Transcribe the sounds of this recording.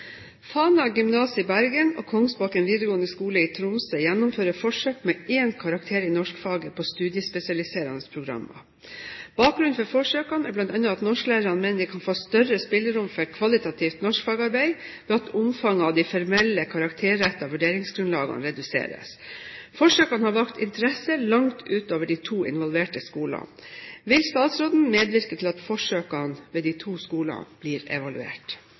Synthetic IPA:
fɑːnɑɡʏmnɑːsəɪbæɾɡənɔ̰ːkʰɔŋsbɑːkɛnʋiːd̪əɡoːənəskuːləiːt̪ʰɾʊmsəjænːʊmføːɾəfɔʂøːkmɛeːnkʰɑɾɑk̚t̪ʰeːɾɪnɔʂkfɑːɡəpʰɔst̪ʉːd̪jɪəspɛsɪɑlɪseːɾɑnəspʰɾʊɡɾɑ̰mːɑ̰ | b̥ɑːk̚ɡɾʉnfɔɾfɔʂøːkɑnɛblɑnt̪ɑnːʊɑt̪nɔʂkəlæːɾəɾɑnmeːnəd̪ɪkʰɑnfoːst̪œrəspɪlːəɾʊmfœkʰʋɑlɪt̪ɑt̪ʰiːft̪nɔʂkfɑːɡəɑɾbæɪbeɑt̪ʊmfɑŋːɑʋd̪ifɔɾmɛlːəkʰɑɾɑkt̪ʰeːɛt̪ːɑʋʉɖeːɾɪŋsɡɾʉnlɑːɡɑ̰nɾɛd̪ʉsḛːɾə̰s | fɔʂøːkɑnhɑːʋɑkt̪ɪ̰nt̪əɾɛsəlɑŋt̪ʰʉːt̪oːʋəɖit̪ʰuːɪ̰nʋɑlʋeːʈəskuːlɑ̰nʋɪlst̪ɑːt̪sɾoːd̪n̩meːd̪ʋɪɾkət̪ʰɪlɑt̪fɔʂøːkɑnʋeːd̪iɪt̪ʰuːskuːlɑ̰b̥liːɾɛ̰ʋɑlʉḛːʈ

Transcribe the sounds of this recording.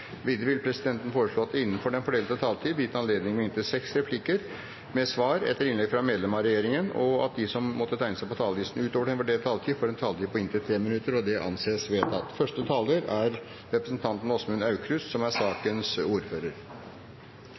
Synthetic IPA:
ʋiːd̪ɾəʋɪlpʰɾɛsɪd̪ɛnt̪ən̩foːɾəʂɭoːɑt̪d̪ɪnːənfɔɖɛnfɔɖeːlt̪ət̪ʰɑːlt̪ʰiːd̪ʋjɪt̪ːəɑnleːd̪nɪŋəmɛɪnt̪əsɛksɾɛpʰlɪkəɾ | mɛsʋɑːɾɛ̰t̪ːəɾɪnlɛɡfɾɑmeːd̪lɛmɑɾɛjeːɾɪŋənɔɑ̰t̪̚d̪ɪsɔmmɔt̪ːət̪ʰæɪnəsæɪpɔt̪ʰɑːləʋ̪iːsn̩ʉːt̪oːʋəɖɛnfæɖeːlt̪ʰɑːlt̪ʰiːfoːɾɛnt̪ʰɑːlət̪iːpʰɔɪnt̪ət̪ʰɾeːmɪnʉt̪ːəɾɔd̪ɛʔɑ̰nseːsʋeːt̪ɑt̪fœʂʈət̪ʰɑːld̪əɾæɾ | ɾɛpɾəsnt̪ʰɑnt̪n̩ɔsmʉnɑʉkʰɾʉssɔmæʂɑːkənsuːɾføːɾəɾ

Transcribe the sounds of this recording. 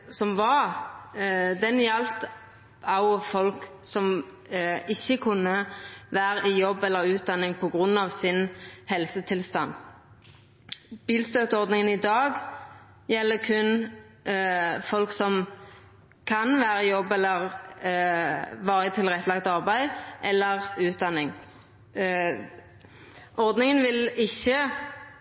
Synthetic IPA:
sɔmʋɑɾ | d̪ɛnjɛlt̪ | ɑʊfɔlksɔm | ɪçːəkʰʉnːəʋæːʁəɪjɔbːɛlːəɾʉːt̪̚d̪ɑnːɪŋpʰɔɡʁʉnːɑʋsɪnhɛlsət̪ʰɪlst̪ɑn | b̥iːlst̪øːt̪əɔɾd̪nɪŋənɪd̪ɑːɡ | jɛlːəkʰʉn | fɔlksɔm | kʰɑnʋæːʁəɪjɔbːɛlːəʁ | ʋɑːʁət̪ʰɪlʁɛt̪ːəlɑɡt̪ɑʁbæɪʔɛlːəʁʉːt̪̚d̪ɑnɪŋ | ʔɔʁd̪nɪŋənʋɪlɪçːə

